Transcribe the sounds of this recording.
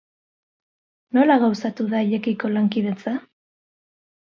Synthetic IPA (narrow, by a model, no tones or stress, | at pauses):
no̞laɣawsat̪uðaiʎe̞kiko̞laŋkið̞e̞t͡sa